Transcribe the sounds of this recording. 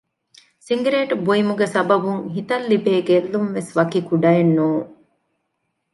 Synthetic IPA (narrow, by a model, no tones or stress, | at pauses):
siŋɡɾeːʈbuimuɡesɐbɐbuŋɦit̪ɐlːibeːɡelːumʋesʋɐkikuɖɐenːuːŋ